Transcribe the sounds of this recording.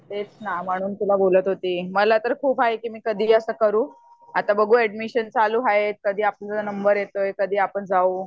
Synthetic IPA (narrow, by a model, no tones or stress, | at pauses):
t̪et͡snam̤əɽ̃uːnt̪ulabolət̪ɦot̪iːməlat̪əɾkʰuːpaɦekiːmiːkəd̪ʱiːəsəːkəɾuː | at̪abəɡʱuːɛɖmiɕənt͡saluːɦaɦet̪̚kəd̪ʱiːapəɳt͡sənəmbəɾjet̪ojkəd̪ʱiːapəɳd͡zauː